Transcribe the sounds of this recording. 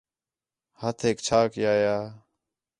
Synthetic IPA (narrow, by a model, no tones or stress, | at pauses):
hət̪ʰeːkt͡ʃʰaːkjaːjaː